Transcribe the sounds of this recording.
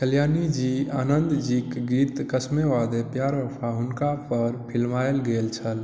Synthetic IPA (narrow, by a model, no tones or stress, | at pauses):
kəljaːnid͡ʒiaːnənd̪d͡ʒikɡiːt̪kəsmeʋad̪epjaːɾəpʰaɦʊnkapəɾpʰɪlmajelɡelt͡ʃʰəl